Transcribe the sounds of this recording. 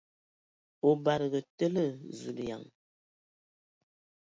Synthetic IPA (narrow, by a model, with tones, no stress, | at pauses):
o˨ba˨ɾɡə˨tə˦lə˦˨zu˨lja̰˨ŋ